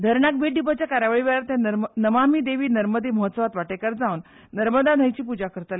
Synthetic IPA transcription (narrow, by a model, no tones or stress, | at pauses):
d̪ʱəɾɳak̚beɖip̬at͡ɕjakaɾaʋəɭiʋeɭaɾt̪jãnəʋamiːd̪eʋiːnəɾməd̪eməɦət̪səʋat̪ʋaʈekaɾd͡zaunː | əɾməd̪an̤əjt͡ɕiːpud͡ʑakəɾt̪ale